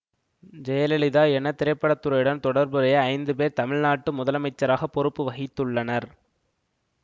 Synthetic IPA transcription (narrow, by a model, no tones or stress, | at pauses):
d͡ʒɛjɐlɛlɪðaːɛnɐt̪ɪɾɐɪpːɐɽɐt̪ːɯɾɐjɯɽɐnt̪ɔɽɐɾbɯɾɐjɐɐɪnd̪ɯpeːɾt̪ɐmɪɻnaːʈːɯmʊðɐlɐmɐɪt͡ʃːɐɾaːɣɐpːɔɾɯpːɯʋɐɣɪt̪ːɯɭːɐnɐɾ